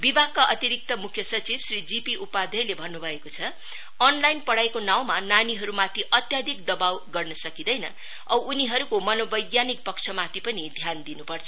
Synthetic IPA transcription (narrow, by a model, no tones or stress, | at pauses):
bibʱaɡ̚kaʔʌt̪iɾik̚t̪ʌmukʰjʌsʌt͡sibsrid͡zipiʔupad̪ʱʌjlebʱʌnːubʱʌekot͡sʰʌ | ʌnlajnpʌɽajekonaw̃mananiɦʌɾumat̪ʰiʔʌt̪jad̪ʱikd̪ʌbawɡʌrnʌsʌkid̪ʌjnʌ | ʌwʔuniɦʌɾukomʌnobʌjɡjanik̚pʌkt͡sʰʌmat̪ʰipʌnid̪ʱjand̪inupʌrt͡sʰʌ